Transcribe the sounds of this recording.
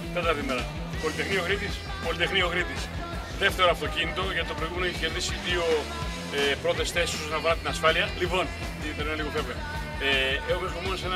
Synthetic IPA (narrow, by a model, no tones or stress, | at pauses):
t̪et̪ɐɾðimeɾɐ̰ | po̞lit̪exnio̞ɣɾit̪is | po̞lit̪exnioɣɾit̪is | ðeft̪e̞ɾoɐft̪o̞cinit̪o̞ʝɐt̪it̪oɾojɣumenoeçiçe̞ɾðisiðio̞ | epɾo̞t̪e̞sθe̞sisoznɐpɐɾɐt̪inɐsfɐliɐlivo̞n | t̪iðeneneliɣo̞veveɐ | eexomexɾomenosen